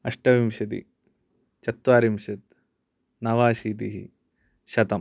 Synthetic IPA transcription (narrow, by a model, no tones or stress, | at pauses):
ɐʂʈɐʋimʃɐt̪̬ḭ | t͡ʃɐt̪wʋaːɾimʃɐt̪̚ | nɐʋaːʃiːt̪iɦḭ | ʃɐt̪ɐm